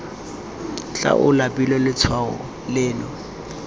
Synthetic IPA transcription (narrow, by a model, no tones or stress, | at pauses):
t͡ɬʼa̰ʔʊlapʼilɔlɪt͡sʰwaɔ̰ | lɪːlɔ